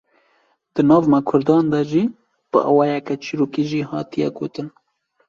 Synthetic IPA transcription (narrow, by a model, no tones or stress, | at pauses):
d̪̥ɨnɑːvmɑkʰʊɾd̪ɑːnd̪ɑʒiː | b̥ɨ̰ʔɑ̰wɑːjɛkɛt͡ʃʰiɾoːkiʒiːhɑːt̪ijɛ̰ɡoːt̪ɨn